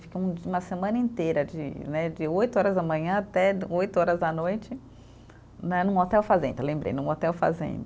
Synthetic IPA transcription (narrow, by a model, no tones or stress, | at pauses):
fi̥keũd͡ʒũmɐsemɐ̃nɐĩnt̪ejɾɐd͡ʒɪ̰nɛd͡ʒɪojt̪ʊɔɾɐzd̪ɐmɐ̃ɲɐ̃at̪ɛojt̪ʊɔɾɐzd̪ɐnojt͡ʃɪ | nɛnũɔt̪ɛwfazḛ̃nd̪ɐlẽmbɾḛjnũɔt̪ɛwfa̰zḛ̃d̪